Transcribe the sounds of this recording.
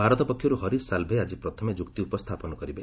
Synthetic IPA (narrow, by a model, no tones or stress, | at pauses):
bʱaɾɔt̪ɔpɔkʰːjɔɾuɦɔɾisalbʱead͡ʒipɾɔt̪ʰɔmed͡ʒukt̪iupɔst̪ʰapɔnɔkɔɾibe